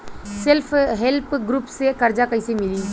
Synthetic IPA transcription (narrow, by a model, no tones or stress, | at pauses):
selpʰɦelpɡɾupsekəɾd͡ʒakəisemɪliː